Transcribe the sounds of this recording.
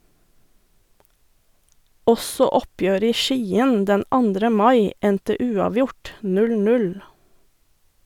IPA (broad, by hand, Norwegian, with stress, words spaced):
ˈɔsɔ ˈɔpjøːɾə ˈiː ˈʃiːən ˈdɛn ˈɑndɾə ˈmɑɪ ˈɛntə ˈʉːɑːˌʋjʊʈ ˈnʉl ˈnʉl